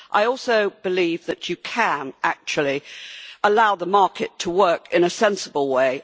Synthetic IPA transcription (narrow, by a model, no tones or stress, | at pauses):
ʔaɪɔlˠsoʊb̥ɨlivðɨt͡ʃɨkʰə̃nʔak̚t͡ʃul̩ˠiəlaʊðəmɑˑkɪtʰəwɜˑ˞kɪ̃ñəsɛ̃nsəbəlˠweɪ